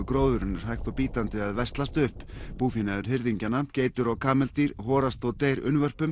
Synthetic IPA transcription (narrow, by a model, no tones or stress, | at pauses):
kɾoːwðʏɾɪnːʏɾ̥hajht̪ɔwpiːt̪ant̪ɪaðvɛst̪last̪ʏhppuːfinaðʏɾ̥ɦɪɾðiɲcanaceːjt̪ʏɾawkʰaːmɛlt̪iɾ̥ɦɔːɾast̪ɔɣt̪eːjɾʏ̰nvœr̥pʏm